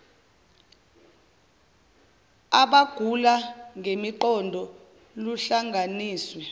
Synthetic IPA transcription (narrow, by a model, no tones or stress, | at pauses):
aɓaɡ̥ʱulaŋʱemiǃɔndʱɔ | luɬaŋɡʱaniːswɛ